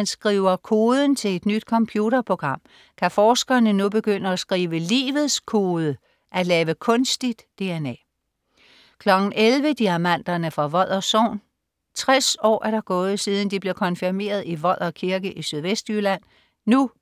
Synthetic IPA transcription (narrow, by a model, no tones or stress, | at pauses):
ænsɡ̥ʁiːʊɐkʰo̝ːð̞ˠən̩t͡sʰe̝le̝d̥nyd̥̚kʰɒ̽mpʰjuɾɐpʰʁo̝ɡ̥ʁɑ̈m̰ | kʰæfɒːsɡ̥ɐnənub̥e̝ɡ̥øn̰əɒsɡ̥ʁiːʋəlḭːʋð̩ˠskʰo̝ːðˠə | ʔæd̥lɛːʋəkʰɔ̽nsd̥id̥ːe̝enɛ̰ː | kʰlɒ̽ɡ̥n̩elʋəd̥iæmæn̰d̥ɐnəfʁɑ̈ʋɒ̽ð̰ˠɐso̰ːn | t͡sʰʁasɒ̰ːʔæɐɾ̥ɑ̈ɡ̥ɔ̽ːð̞̩ˠsiːð̞ˠən̩d̥ib̥le̝ɐkʰɒ̽nfiɐme̝̰ːɐð̞̩ˠiʋɒ̽ð̰ˠɒkʰiɐɡ̥əʔisyð̞ˠʋesd̥ylæn̰ | nu